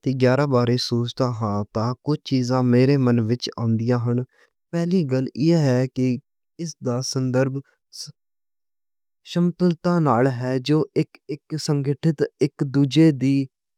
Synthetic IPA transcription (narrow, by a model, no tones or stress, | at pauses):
t̪eːɡjaːɾaːbaːɾeːsoːt͡ʃd̪aːɦãːt̪ãːkʊd͡ʒt͡ʃiːzãːmeːɾeːmənʋɪt͡ʃã̰ːʊnd̪ɪjãːɦʊɳ | pɛːliːɡəlɪɦɛːkɪ | ɪsd̪aːsənd̪əɾb | ʃəmt̪əlt̪ãːnaːlɦɛːd͡ʒoːɪkɪksəŋɡɪʈʰɪt̪ɪkd̪uːd͡ʒeːd̪iː